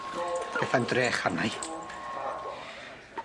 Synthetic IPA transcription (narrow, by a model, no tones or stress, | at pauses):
b̥ɛθandreːχarnaj